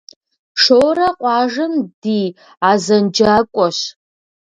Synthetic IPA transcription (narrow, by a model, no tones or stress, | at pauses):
ʂoːrɐqʷʼɑːʒɐmdiː | aːzɐnd͡ʒaːkʷʼɔɕ